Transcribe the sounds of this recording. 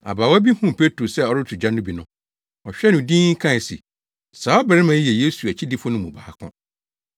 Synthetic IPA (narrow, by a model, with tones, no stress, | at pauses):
a̰˨baː˨wɔ˦æ˦bi˦hũ˦˨pʰe˦tɾo˨sɛ˦˨ɔ˦ɾɪ˦tʰʊ˨d͡ʑã˦nʊ̃˦bi˨nʊ̰̃˦ | ɔ˨ɕᶣɛ˦nʊ̃˨dĩ˦ŋ˦kʰã˦˨sḭ˨ | saː˨˦ɔ˦bɛ˨ɾɪ˦mã˨˦jɛ˨je˦su˨æ˨t͡ɕʰi˦di˦fʊ˦nʊ̃˦mũ˨baː˨˦kʰʊ̰̃˦